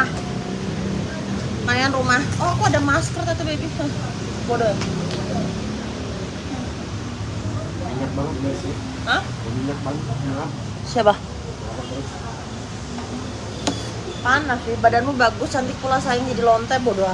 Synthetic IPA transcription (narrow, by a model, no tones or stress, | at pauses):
a | tajanrumahɔakuadamaskərt̪at̪ubebia | bodoa | iɲak̚baŋasi | əh | əmiɲak̚baŋaan | siapah | panːafɪbadanmubaɡʊst͡ʃant̪ɪk̚pulasajɪŋd͡ʒadilɔnt̪ɛbodoa